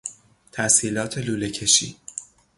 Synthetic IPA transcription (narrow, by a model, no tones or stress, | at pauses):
t̪ʰæsiːlɒːt̪ʰe̞luːle̞cʰe̞ʃḭː